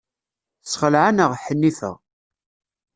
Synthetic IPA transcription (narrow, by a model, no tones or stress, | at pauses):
sχəlʕanəʁħənːifə̰ʁ